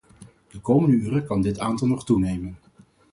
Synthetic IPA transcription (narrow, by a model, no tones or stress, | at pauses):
d̥əkowməndəyːrəkɑndɪtaːntɑlˠnɔχtunejmən